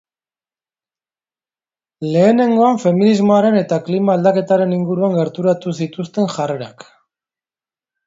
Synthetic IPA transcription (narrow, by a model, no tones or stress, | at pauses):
le̞ːne̞ŋɡo̞aɱfe̞minizmo̞aɾe̞ne̞t̪aklimaːld̪ake̞t̪aɾe̞niŋɡuɾuaŋɡe̞ɾt̪uɾat̪usit̪ust̪e̞nʝare̞ɾa̰k